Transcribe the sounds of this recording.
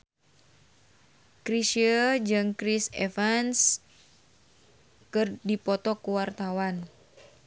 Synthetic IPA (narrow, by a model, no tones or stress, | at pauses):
kɾisəd͡ʒɨŋkɾisefans | kɨrdipɔt̪ɔkuwart̪awan